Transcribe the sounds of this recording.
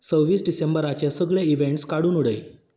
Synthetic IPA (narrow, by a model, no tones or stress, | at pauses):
t͡səwʋiːsɖisembəɾat͡ɕjasəɡɭjeiʋeɳʈskaɽuːnuɽəj